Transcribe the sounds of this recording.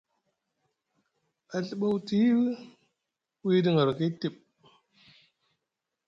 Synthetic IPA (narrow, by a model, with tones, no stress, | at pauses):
a˨ɬə˦˨ɓa˦wti˦l | wi˦di˦ŋa˨ɾki˦ti˦˨ɓ̚